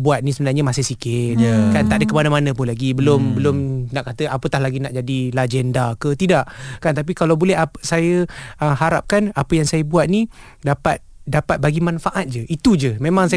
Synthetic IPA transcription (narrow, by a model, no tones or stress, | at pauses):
buat̪̚nisəmbənarɲəmasɪhsikɪt̪̚əkant̪aʔdəkəmanamanə̃pʊnlaɡibəlʊmbəlʊmnaʔkat̪əʔapət̪ahlaɡinaʔd͡ʒadilad͡ʒɛndakət̪idaʔkant̪ap̬ikalawbolɛɦasajəəɦaɾa̰p̚kanapəjaŋsajəbuat̪̚ni | dapat̪̚dapat̪̚baɡimanfaʔat̪̚d͡ʒəʔit̪ud͡ʒəmẽmãŋsa